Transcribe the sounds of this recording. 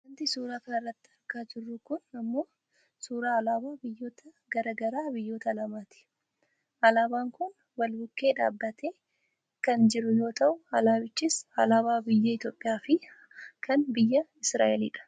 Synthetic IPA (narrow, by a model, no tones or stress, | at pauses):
ɐnt̪ɪsuːɾaːkɐnrːɐt̪ːɪ̥ɐɾkaːd͡ʒɪrːʊkʊnɐmːo̞ː | suːɾaːɐlaːbaːbɪjːo̞ːt̪ɐ | ɡɐɾɐɡɐɾaːbɪjːo̞ːt̪ɐlɐmaːt̪ɪ̥ | ɐlaːbaːŋkʊn | wɐlbʊkːe̞ːᶑa̰ːbːɐt̪ʰeː | kɐnd͡ʒɪɾʊjo̞ːt̪ɐʔʊɐlaːbɪt͡ʃːɪsɐlaːbaːbɪjːɐɪt̪jo̞ːpʼːɪjaːfɪ | kɐnbɪjːɐɪsɾa̰ːʔɛlḭːᶑɐ̥